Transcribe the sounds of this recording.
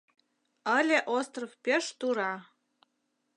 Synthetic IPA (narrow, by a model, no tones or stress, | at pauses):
ə̆lʲeʔost̪rofpʲeʃt̪uɾɑ